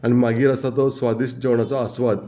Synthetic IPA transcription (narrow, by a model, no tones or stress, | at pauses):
aɽ̃imaɡiːɾasat̪ɔsʋad̪iːɕd͡ʑeʋɳ̃at͡sɔːsʋad̪